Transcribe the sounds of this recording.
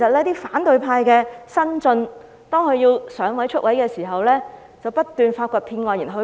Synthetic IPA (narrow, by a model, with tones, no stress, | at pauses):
e˨˩sɐ˨t̚lɛː˥t̪iː˥faː˨˥nt̪ɵ˨˧ɥpʰaː˧jkɛː˧sɐ˥nt͡sɵ˧n | t̪ɔː˥ŋkʰɵ˧ɥjiː˧wsœː˨˥ŋwɐ˨˥jt͡ʃʰɵ˥t̚wɐ˨˥jkɛː˧siː˨˩ɦɐ˨wlɛː˥ | t͡sɐ˨wpɐ˥t̚t̪ːyː˨nfaː˧t̚kʷɔː˧t̚pʰiː˧nŋɔː˧˩jiː˨˩nɦɵ˧